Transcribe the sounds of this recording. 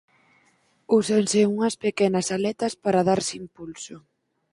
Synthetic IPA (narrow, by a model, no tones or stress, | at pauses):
usansɪuŋɐspekɛnɐsalɛt̪ɐspaɾaðaɾsimpulsʊ